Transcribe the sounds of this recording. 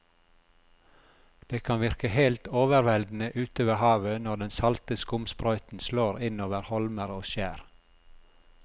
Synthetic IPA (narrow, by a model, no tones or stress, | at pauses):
d̪̥eːkʰɑnʋɪɾkəhelt̪oːʋəɾʋɛld̪n̩əʔʉːt̪oːʋəhɑːʋənɔɖ̪ɛnsɑlt̪əskʊmspɾœʏt̪n̩sloːɾɪnoːʋəɾhɔlməɾoːʃæːɾ